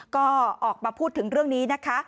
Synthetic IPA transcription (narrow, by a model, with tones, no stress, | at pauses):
kɔː˥˩ʔɔː˨˩k̚pa˧pʰuː˥˩t̪ʰːɯ˨˩˦ŋɾɯ˥˩əŋniː˦˥na˦˥kʰa˦˥